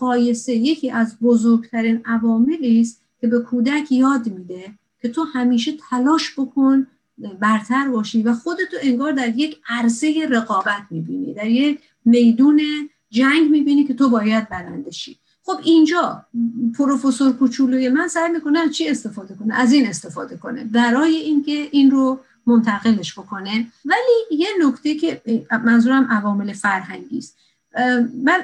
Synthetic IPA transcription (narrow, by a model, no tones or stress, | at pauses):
ɢɒːje̞se̞je̞cʰiːʔæzbozoɾɡt̪ʰæɾiːnævɒːme̞liːst̪ | cʲʰe̞be̞kʰuːd̪ækʰjɒːd̪miːd̪e̞ | cʰe̞t̪ʰohæmiːʃe̞t̪ʰælɒːʃbo̞kʰo̞n | bæɾt̪ʰæɾbɒːʃivæxo̞d̪e̞t̪ʰoe̞ŋɡɒːɾd̪æɾje̞cʰæɾse̞je̞ɾe̞ɣɒːbæt̪ʰmiːbḭːnḭd̪æɾjek | me̞jd̪uːne̞ | d͡ʒæŋɡmiːbiːniːkʰe̞t̪ʰobɒːjæd̪̚bæɾænd̪eʃḭː | χo̞bind͡ʒɒːpʰoɾofo̞soɾkʰot͡ʃʰuːloje̞mænsæjmiːko̞net͡ʃʰie̞st̪e̞fɒːd̪e̞ko̞neʔæziːne̞st̪e̞fɒ̰ːd̪e̞ko̞ne̞̰bæɾɒːje̞iːnkʲʰe̞ʔinro | mont̪ʰæɣe̞le̞ʃbo̞kʰo̞nevæliːje̞nokt̪ʰecʰe̞mænzuːɾæmʔævɒːme̞le̞fæɾɦæŋɡḭːst̪ | bæ